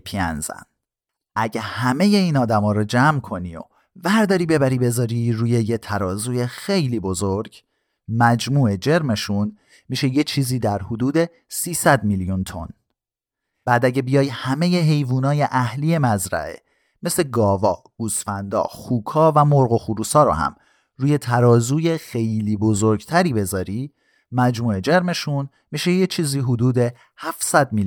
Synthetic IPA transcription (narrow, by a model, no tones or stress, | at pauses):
pʰiæ̰nzæ̰n | ʔæɟehæme̞je̞iːnɒːd̪æmɒːɾɔd͡ʒæːmkʰo̞nio̰ | væɾd̪ɒːɾiːbe̞bæɾiːbe̞zɒːɾiɾuːje̞jet̪ʰæɾɒːzuːje̞xejliːbo̞zoɾɟ | mæd͡ʒmuːe̞d͡ʒe̞ɾme̞ʃun | miːʃejet͡ʃʰiːziːd̪æɾhod̪uːd̪e̞ | siːsæd̪miljunt̪ʰo̞̰n | b̥æːd̪æɟe̞bijɒːjhæme̞jeɦe̞jvuːnɒːje̞ʔæhliːje̞mæzɾæ̰ʔe̞̰ | me̞sleɡɒːvɒː | ɡ̥usfænd̪ɒ̰ːxuːkʰɒːvæmoɾɣo̞xuɾuːsɒːɾo̰hæ̰m | ɾuːje̞t̪ʰæɾɒːzuːjexe̞jliːbozoɾɟt̪ʰæɾiːbe̞zɒːɾi | mæd͡ʒmuːe̞d͡ʒe̞ɾme̞ʃun | miːʃejet͡ʃʰiːziːɦod̪uːd̪e̞ | hæfsæd̪mil